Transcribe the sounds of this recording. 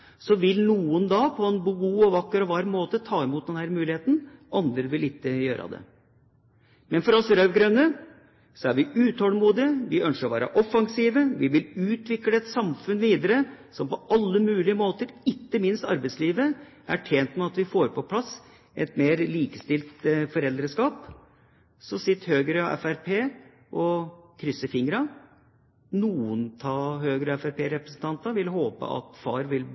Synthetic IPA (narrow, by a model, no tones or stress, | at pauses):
sɔʋɪlnuːənd̪ɑːpʰɔɛnbuːɡuːɔʋɑkːəɾɔʋɑɾmoːt̪ət̪ʰɑːɛmuːt̪̚d̪ɛnhæːɾmʉːlɪheːt̪n̩ʔɑnd̪ɾəʋɪlɪk̪ːəjøːɾɑ̰d̪ɛ̰ | mɛnfɔɾɔsɾœʋɡɾœnːə | sɔæɾʋɪʉːt̪ʰoːlmuːd̪ɪəʋɪʔœnʂəɾɔʋæ̰ːɾɑ̰ʔɔfːɑŋsiːʋəʋɪʋɪlʉːt̪ʋɪkləɛt̪sɑmfʉnʋiːd̪əɾəsɔmpɔɑlːəmʉːlɪəmoːt̪əɾɪkːəmɪnst̪ɑɾbɛɪsliːʋə | æʈʰjeːnt̪mɛɑt̪ʋɪfoːɾpʰɔpʰlɑs | ʔɛt̪meːɾliːkəst̪ɪlt̪fɔɾɛld̪ɾəskɑːp | sɔsɪt̪ːhøːɡɾəɑɛ̰fæɾpʰeː | ʔɔkʰɾʏsːəfɪŋɾɑ | nuːʊnt̪ʰɑːhøːɡɾəɑɛfæɾpeːɾɛpɾəsn̩t̪ʰɑnt̪ɑʋɪlhoːpə̰ʔɑ̰t̪fɑːɾʋɪl